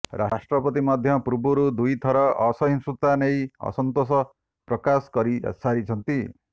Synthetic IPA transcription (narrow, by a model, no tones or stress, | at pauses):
ɾa̰sʈɾɔpɔt̪imɔd̪ʱjʌpɾubuɾud̪ujt̪ʰɔɾɔːsɔɦinsut̪anejɔ̰sɔnt̪os̬ɔ | pɾɔkaskɔɾḭsaɾit͡ʃʰʌnt̪i